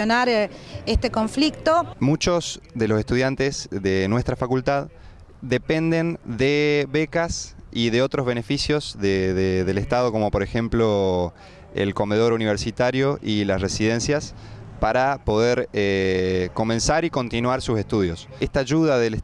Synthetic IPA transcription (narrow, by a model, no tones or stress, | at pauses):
onaɾest̪ekoɱflik̚t̪omut͡ʃo̞sðe̞losest̪uðjant̪ezðenwe̞st̪ɾafakult̪að | d̪e̞pe̞nd̪e̞nd̪eβe̞kasiðeot̪ɾo̞zβe̞ne̞fisjo̞zðeðeðele̞st̪aðo̞ko̞mo̞po̞ɾexe̞mplo | ḛlko̞me̞ð̞o̞ɾuniβ̞eɾsit̪aɾjo̞ʔilasre̞sið̞e̞nsjaspaɾapo̞ðeɾeko̞mẽ̞nsaɾiko̞nt̪inwaɾsuse̞hst̪uðjo̞s | est̪aːʒuð̞aðel